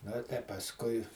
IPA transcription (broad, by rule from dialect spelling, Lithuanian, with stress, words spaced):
noː tɐɪ pɐsˈkʊɪ